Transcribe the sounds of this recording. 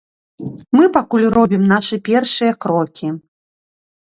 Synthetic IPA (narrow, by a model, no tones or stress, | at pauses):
mɨpakulʲrɔbʲimnaʂɨpʲɛrʂɨjɐkɾɔkʲi